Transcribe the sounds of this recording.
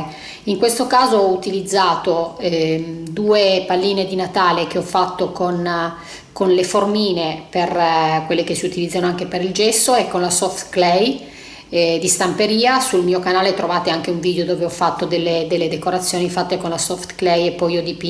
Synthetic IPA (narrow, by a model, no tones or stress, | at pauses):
iŋkwest̪okaːzoɔut̪ilid̪zːaːt̪oɛd̪uːepalːiːned̪inat̪aːlek̟eɔfat̪ːokon | konleformiːneperkwelːek̟esiut̪ilid̪zːanoaŋkepeɾild͡ʒɛsːoekːonlasɔft̪klɛj | d̪ist̪ampeɾiːasulmiːokanaːlet̪ɾʔovaːt̪eaŋk̟euɱviːd̪eod̪oːveɔfːat̪ːod̪elːed̪elːed̪ekoɾat̪sːjoːnifat̪ːekonlasɔft̪klɛjepːɔjɔd̪ipi